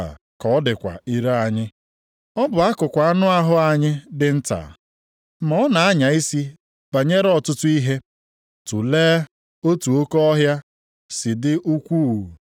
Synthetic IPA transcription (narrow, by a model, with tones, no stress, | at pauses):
kɔ˦dɪ˨kʷa̰˨i˦ɾa˦a˨ɲɪ˦ | ɔ˦bʊ˨a˦kʊ˨kʷa˨a˦nʊ˦a˦ɦʊ˦a˨ɲɪ˦dɪ˨n̩˦ta̰˨ | m̩ɔ˦na˨a˦ɲa˨i˦si˦ | b̥a˨ɲe˦ɾɔ˨tʊ˦tʊ˦i˦ɦe˦ | tu˨leː˦ | o˦tu˨o˦ko˦ɔ˦ɦja˦ | si˨dɪ˦ʔu˦kʷu˦˨